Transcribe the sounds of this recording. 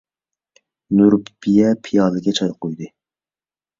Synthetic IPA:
nuɾpb̥ijɛpʰijɑːd̪ɨɡʲɛt͡ʃʰɑjqojd̪ɨ

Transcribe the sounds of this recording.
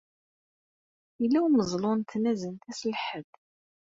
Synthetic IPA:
əlːæwməzˤlʊnt̪ːnæzənt̪æslħəd

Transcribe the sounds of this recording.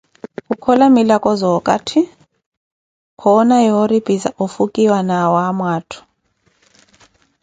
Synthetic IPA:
kukʰɔlamilakʼɔzɔkʼa̰tʰi | kʰɔnajɔɾib̥ʱiza̰ʔufukʼiwanawamwaːtʰu̥

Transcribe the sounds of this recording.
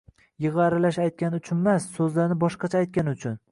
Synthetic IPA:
jɨʁɑɾɪlaʃajt̪̚kʲanʊt͡ʃʰʊnmasːɵzlaɾnɪbɒʃqɑt͡ʃʰaːjt̪̚kʲanʊt͡ʃʰʊn

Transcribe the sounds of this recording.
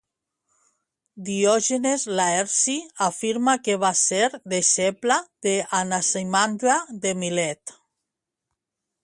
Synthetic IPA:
d̪iɔʒenezlaeɾsiafiɾmakeβaseɾðeʃeplaðeanasejmand̪ɾaðemilɛt̪

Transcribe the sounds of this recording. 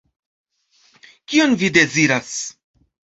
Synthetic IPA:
kio̞nvide̞ziɾas

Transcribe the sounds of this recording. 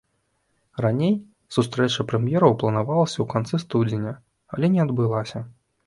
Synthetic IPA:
ranʲej | sust̪ɾɛt͡ʂɐpɾɛmʲjɛɾɐwplˠɐnavalˠɐsʲɐwkant̪sɨst̪udd͡zʲɪnʲɐ | a̰lʲɛnʲɛad̪bɨlˠasʲɐ

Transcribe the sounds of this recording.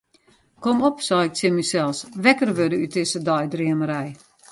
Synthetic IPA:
kɔmɔpsɔɪk̚sɪmisɛlˠsʋɛkərʋødəytɪsədɔjdriəməɾɛj

